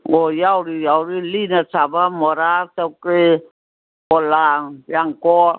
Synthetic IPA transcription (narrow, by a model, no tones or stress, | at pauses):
ojauɾijauɾilinasabamoɾasake | olajaŋkɔ